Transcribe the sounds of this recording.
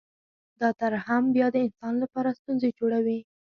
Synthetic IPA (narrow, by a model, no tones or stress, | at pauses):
d̪ɑt̪aɾahambjɑd̪əɪnsɑnlapɑɾast̪unzed͡ʒoɽawi